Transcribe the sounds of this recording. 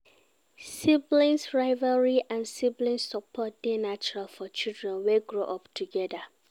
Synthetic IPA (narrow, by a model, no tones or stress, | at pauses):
siblĩnsɹaɪvaɹiʔãnsiblĩnsɔpʰɔt̚d̥enat͡ʃɔɹalfɔt͡ʃildɹɛ̃nweɡɹoʔɔptʰuɡɛda